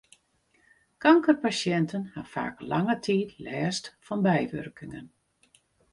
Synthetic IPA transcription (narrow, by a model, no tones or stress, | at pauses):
kaŋkərpasjɛntʰənhafa̰ːkla̰ŋətʰiːtʰlɛːstfɔnbɛjʋø̰rkɪŋən